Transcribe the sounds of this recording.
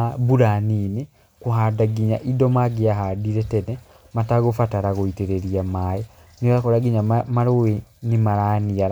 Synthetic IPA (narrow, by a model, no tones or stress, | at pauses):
βuɾanine | koɦadaɡiɲa̰ʔidɔmaɡeaɦadiɾɛtɛnɛ | mataɣofataɾaɣoiteɾeɾiamajɛ | nioɣakɔɾaɡiɲamaɾowenimaɾaːniaɾa